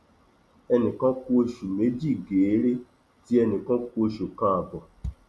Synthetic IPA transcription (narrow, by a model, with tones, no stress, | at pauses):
ɛ˧nĩ˨kã˦ku˦o˧ʃu˨me˨˦d͡ʒi˦˨ɡe˨˦ɾe˦ | ti˦ɛ˧nĩ˨kã˦ku˦o˧ʃu˨kã˦a˨bɔ˨